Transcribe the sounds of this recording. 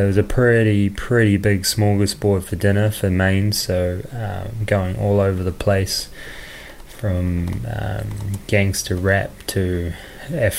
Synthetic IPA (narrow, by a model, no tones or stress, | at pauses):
əwʌzɨpʰɹ̥ɪɾipʰɹ̥ɪɾibɪɡsmɔlˠɡɨsb̥ɔɹd̥fə˞dɪ̃ñə˞fəmẽɪ̃nz̥soʊʌ̰ɡoʊɪ̃ŋɔlˠoʊvə˞ðəpʰl̥eɪs | fɹʌ̃mʌ̰̃ɡ̥æ̃ŋstʰɨɹæp̚tʰɨ | ɛf